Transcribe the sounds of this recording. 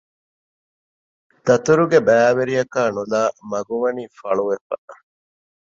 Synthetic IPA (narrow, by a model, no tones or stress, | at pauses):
t̪ɐt̪uɾuɡebæːʋeɾijɐkaːnulaːmɐɡuʋɐniːfɐɭuʋefɐ